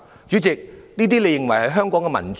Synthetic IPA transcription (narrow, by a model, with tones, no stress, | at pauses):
t͡ʃyː˨˥t͡sɪ˨k̚niː˥t̪iː˥le˨˧jɪ˨ŋwɐ˨˩jhɐ˨˥jɦœː˥ŋkɔː˨˥ŋkɛ˧mɐ̰˨˩nt͡s